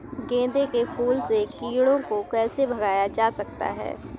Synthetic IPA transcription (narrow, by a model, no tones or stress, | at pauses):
ɡẽːd̪ekepʰuːlsekiːɽõkokɛːsebʱɐɡaːjad͡ʒaːsɐkt̪a̰ɦɛ̰ː